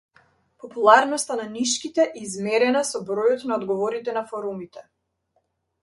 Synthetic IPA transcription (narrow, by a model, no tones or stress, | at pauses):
pɔpulˠaɾnɔst̪ananiʃkit̪ɛʔɛizmɛɾɛnasɔbɾɔjɔt̪naɔd̪ɡɔvɔɾit̪ɛnafɔɾumit̪ɛ